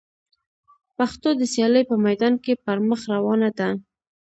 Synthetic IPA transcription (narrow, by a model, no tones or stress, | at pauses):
paxt̪od̪əsjɑləjpəmajd̪ɑnkepəɾməxɾawɑnad̪a